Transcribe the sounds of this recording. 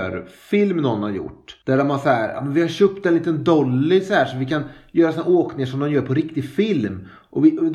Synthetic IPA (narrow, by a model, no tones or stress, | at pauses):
ɾfɪlmnɔnːhaɾjʊ̰ʈːd̪̥æɖɔmvaʂahæːɾa̰ːmɛnvɪhaɾɕøːp̚t̪ɛnliːt̪ənd̪ɔlːɪsahæːʂɔvɪkʰanjœːɾasɔnhæːɾoːknɪŋaʂɔmd̪ɔnmjœːɾpʰɔɾɪkt̪ɪfɪlm | ʔɔvɪ